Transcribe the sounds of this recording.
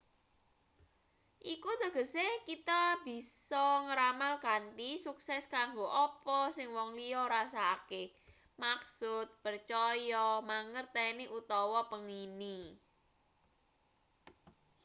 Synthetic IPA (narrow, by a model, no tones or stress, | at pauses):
ʔikud̪ə̤ɡ̥ə̤sekit̪abi̤sɔŋəɾamalkanʈisuksɛskaŋɡoʔɔpɔsɪŋwɔŋliɔɾasake | maksʊt̪̚pərt͡ʃɔjɔmaŋərt̪ɛniʔut̪ɔwɔpəŋini